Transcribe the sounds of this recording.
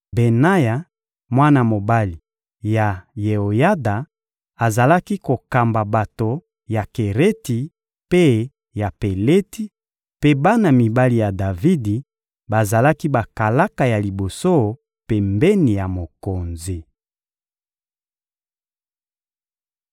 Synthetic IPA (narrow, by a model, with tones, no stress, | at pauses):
be˨na˦ja˨ | mwa˦na˨mo˨ba˦li˨ | ja˨je˨o˨ja˦da˨ | a˨za˨la˦ki˦ko˨ka˨mba˨ba˨to˨ | ja˨ke˨ʁe˦ti˨ | pe˦ | ja˨pe˨le˦ti˦ | pe˦ba˦na˨mi˨ba˦li˨ja˨da˨vi˦di˨ | ba˨za˨la˦ki˦ba˨ka˨la˦ka˨ja˨li˨bo˨so˦ | pe˨mbɛ˦ni˨ja˨mo˨ko˨nzi˨